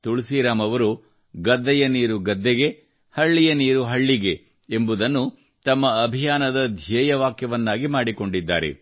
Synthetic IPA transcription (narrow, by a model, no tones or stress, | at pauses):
t̪uɭisiːɾaːmɐʋɐɾu | ɡɐd̪ːɛjɐniːɾuɡɐd̪ːeɡe̞ | hɐɭːijɐniːɾuɦɐɭːiɡe̞ | embud̪ɐnːu | t̪ɐmːɐːbʱijaːnɐd̪ɐd̪ʱjɛːjɐʋaːkjɐʋɐnːaːɡimaːɽiko̞ɳɖid̪ːa̰ːɾḛ